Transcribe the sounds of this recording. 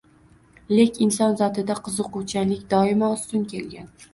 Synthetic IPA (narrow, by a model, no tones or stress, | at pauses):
lekʲɪnsɒnzɒt̪ʰɪd̪aqʰɨzɨqʊwt͡ʃʰalɪkʲd̪ɒɪmaʊst̪ʊnkʲe̞lɡʲan